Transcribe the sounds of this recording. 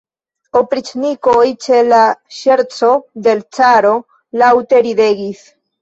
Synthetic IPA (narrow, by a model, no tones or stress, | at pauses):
opɾit͡ʃnikojt͡ʃe̞laʃe̞ɾt͡so̞de̞lt͡saɾo̞ | lawte̞ɾide̞ɡis